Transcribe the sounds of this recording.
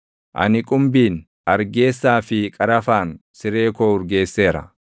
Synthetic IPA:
ʔɐ̰nɪkʼʊmbiːn | ʔɐɾɡeːsːaːfɪkʼɐɾɐfaːnsɪɾe̞ːkoːʊɾɡe̞ːsːe̞ːɾɐ̰

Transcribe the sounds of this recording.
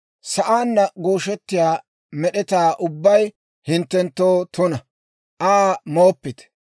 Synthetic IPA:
sɐʔaːnːɐɡoːʃɛt̪ːɪjaː | mɛɗɛt̪aːʔʊbːɐj | hɪnt̪ːɛnt̪ːoːt̪ʊnɐ | ʔaːmoːpːɪt̪

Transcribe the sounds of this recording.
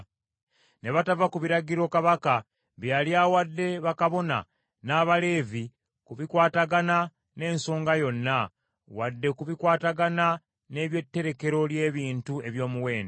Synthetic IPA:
ne̞βatavakuβiɾaɡiɾo̞kaβaka | βjaljawadːe̞βakaβo̞na̰ | naːβale̞ːvi | kuβikwaːtaɡana | ne̞ːnso̞ːŋɡajo̞nːa | wadːe̞kuβikwaːtaɡana | ne̞ːβje̞tːe̞ɾe̞ke̞ɾo̞lje̞ːβiːntue̞βjo̞ːmuwe̞ːnde

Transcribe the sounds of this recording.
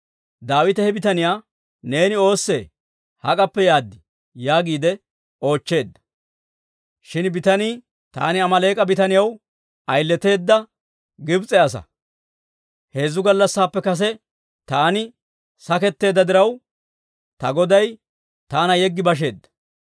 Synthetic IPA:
d̪aːwɪt̪ɛhɛbɪt̪ɐnɪjaː | ne̞ːnɪo̞ːsːe | hɐkʼɐpːɛjaːd̪ːɪ | jaːɡiːd̪ɛ | o̞ːt͡ʃːe̞ːd̪ːɐ̥ | ʃɪnbɪt̪ɐniː | t̪a̰ːnɪɐmɐle̞ːkʼɐbɪt̪ɐnɪjɐw | ɐjlːɛt̪e̞ːd̪ːɐ | ɡɪbt͡sʼɛɐsɐ̰ | he̞ːzːʊɡɐlːɐsːaːpːɛkɐs̬ɛ | t̪aːnɪ | sɐkɛt̪ːe̞ːd̪ːɐd̪ɪɾɐw | t̪ɐɡɔd̪ɐj | t̪aːnɐjɛɡːɪbɐʃ̬e̞ːd̪ːɐ̥

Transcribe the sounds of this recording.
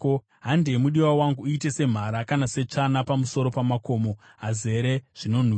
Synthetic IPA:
o | ɦandemuɗiwawaŋɡuːite̞se̞m̤aɾakanase̞t͡ʂanapamuso̞ɾo̞pamako̞ːmo̞ | ɦaze̞ɾe̞ʐ̥ino̞n̤i

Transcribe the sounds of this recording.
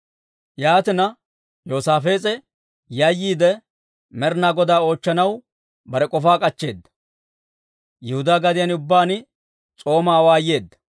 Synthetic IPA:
jaːt̪ɪnɐ | jo̞ːsaːfe̞ːt͡sʼɛ | jɐjːiːd̪ɛ | mɛɾnaːɡɔd̪aːo̞ːt͡ʃːɐnɐw | bɐɾɛkʼɔfaːkʼɐt͡ʃːe̞ːd̪ːɐ̥ | jɛhʊd̪aːɡɐd̪ɪjɐnʊbːaːnɪ | t͡sʼo̞ːmaːwaːjːe̞ːd̪ːɐ̥

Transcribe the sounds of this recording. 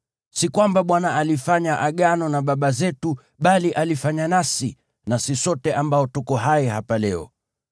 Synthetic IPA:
sikwambaɓwanaalifaɲaʔaɠanɔnaɓaɓazɛtu | ɓaliʔalifaɲanasi | nasisɔtɛʔambaɔtukɔɦaɛɦapalɛɔ̰

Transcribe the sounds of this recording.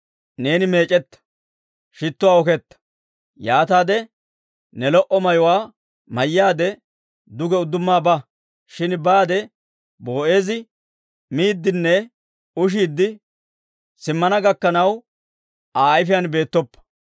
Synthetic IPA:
ne̞ːnɪme̞ːt͡ʃʼɛt̪ːɐ̥ | ʃɪt̪ːʊwaːɔkɛt̪ːɐ̥ | jaːt̪aːd̪ɛ | nɛlɔʔɔmɐjɔwaː | mɐjːaːd̪ɛ | d̪ʊɡɛʊd̪ːʊmːaːbɐ | ʃɪnbaːd̪ɛ | boːʔe̞ːzɪ | miːd̪ːɪnːɛ | ʊʃ̬iːd̪ːɪ | sɪmːɐnɐɡɐkːɐnɐw | aːjfɪjanbe̞ːt̪ːɔpːɐ̥

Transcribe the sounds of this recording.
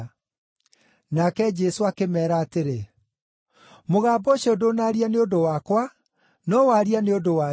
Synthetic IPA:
nakɛd͡ʒɛsoakemɛːɾaːteɾe | moɣaːbɔɕɛodonaɾianeodowakwa | nɔwaɾianeodowa

